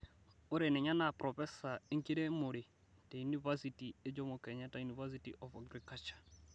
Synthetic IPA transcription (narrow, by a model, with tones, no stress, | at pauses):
ʊ˦ɾe˨nɛ˨ɲa˦na˨pɾɔ˨fɛ˦sa˨e˦ŋ̩˦ki˦ɾe˦mʊ˨ɾɪ˨ | te˨ju˦ni˦va˦si˨ti˨e˦d͡ʒɔ˦mʊ˨kɛ˨ɲa˦ta˨ju˨ni˨va˦s̬i˦tiʔɔ˨fa˨ɡɾi˨ka˦t͡ʃḁ˨